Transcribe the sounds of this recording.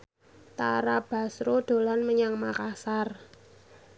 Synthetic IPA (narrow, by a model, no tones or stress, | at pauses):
t̪a̰ɾab̥a̤sɾod̪̥o̤lanməɲaŋmakasar